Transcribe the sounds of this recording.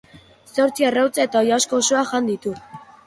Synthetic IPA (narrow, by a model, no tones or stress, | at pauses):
so̞ɾt͡siarawt͡sae̞t̪aojasko̞ːsoaʝand̪it̪u